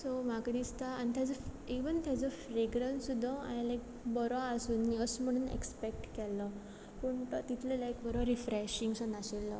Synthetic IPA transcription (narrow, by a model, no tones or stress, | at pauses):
somakad̪ist̪aːnit̪ʰjad͡zəiʋənt̪jad͡zɔfɾeɡɾənsud̪ʱːəa̰jalajk̚ | bəɾʋaːsuːnːiəsm̤əɽ̃uːnḛkspek̚ʈkɛlːə | pəɳt̪t̪it̪ʰlelajk̚bəɾʋaɾifɾɛɕiŋɡsənaɕelːə̰